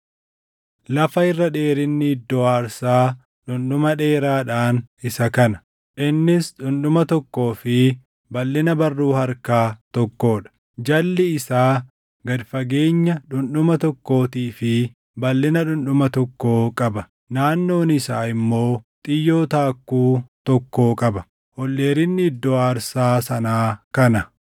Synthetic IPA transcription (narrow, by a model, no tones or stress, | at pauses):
lɐfɐɪrːɐᶑe̞ːɾɪnːid̪ɔaːɾsaː | ᶑʊnɗʊmɐᶑe̞ːɾaːᶑaːnɪsɐkɐnɐ̥ | ʔɪnːɪsᶑʊnɗʊmɐt̪ɔkːo̞ːfɪ | bɐlːɪnɐbɐrːuːhɐɾkaːt̪ɔkːo̞ːᶑɐ̥ | d͡ʒɐlːɪɪsaː | ɡɐd̪fɐɡe̞ːɲːɐᶑʊnᶑʊmɐt̪ɔkːo̞ːt̪iːfɪ | bɐlːɪnɐᶑʊnᶑʊmɐt̪ɔkːo̞ːkʼɐbɐ | naːnːo̞ːnɪsaːɪmːo̞ːt̪ʼɪjːo̞ːt̪aːkːuːt̪ɔkːo̞ːkʼɐbɐ | hɔlːeːɾɪnːɪɪd̪ːɔaːɾsaːsɐnaːkɐnɐ